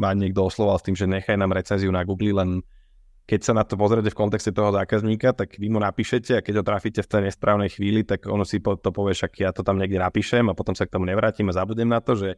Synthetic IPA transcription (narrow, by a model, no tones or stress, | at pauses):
maːɲɪɛɡ̚d̪ɔɔslˠɔʋalst̪iːmʒɛɲɛxajnaːmɾɛt͡sɛnziunaɡuːɡlilɛn | kɛcsanat̪ɔpɔzɾɛcɛfkɔnt̪ɛkscɛt̪ɔɦɔzaːkazɲiːkat̪aɡʋimunapiːʃɛcɛakɛɟɦɔt̪ɾaficɛft̪ɛjɲɛspɾʔaːʊnɛjxʋiːlit̪aɡɔ̰nɔsipɔt̪ɔpɔʋɛʃakjaːt̪ɔt̪amɲɛɡdɛnapiːʃɛmapɔt̪ɔmsak̚t̪ɔmuɲɛʋɾaːciːmazabuɟɲɛmnat̪ɔʒɛ